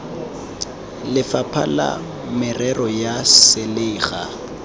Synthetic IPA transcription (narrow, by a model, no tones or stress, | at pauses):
lɪfapʰa̰la̰ | mɪrɛrɔjasɪleːɣa